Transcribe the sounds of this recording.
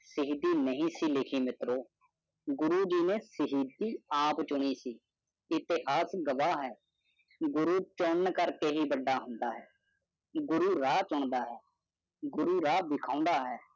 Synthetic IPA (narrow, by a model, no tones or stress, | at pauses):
səɦid̪iːnəɦĩːsiːlɪkʰiːmɪt̪ɾoː | ɡʊɾuːd͡ʒiːnẽːsəɦiːd̪iːãːpt͡ʃʊɳ̃iːsiː | ɪt̪ɪɦaːsɡəʋaːɦɛː | ɡʊɾuːt͡ʃʊnkəɾkeːɦiːbəɖːaːɦʊnd̪aːɦɛː | ɡʊɾuːɾaːt͡ʃʊɳd̪aːɦɛː | ɡʊɾuːɾaːb̪ɪkʰãːʊ̃nd̪aːɦɛː